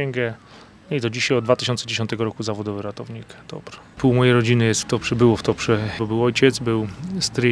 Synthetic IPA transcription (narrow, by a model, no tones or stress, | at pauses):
ɛŋɡɛ | nɔit̪ɔd͡ʑiɕajɔd̪d̪vat̪ɘ̥ɕɔnt̪sɛd͡ʑeɕɔnt̪ɛɡɔɾɔkuzavɔd̪ɔvɘɾat̪ɔvɲikd̪̥ɔ̰bɾɛ̥puwmɔjejɾɔd͡ʑinɘjɛst̪ft̪ɔpʂɛbɘwɔft̪ɔpʂɛbɔbɘwɔjt͡ɕɛd̪zbɘwst̪ɾi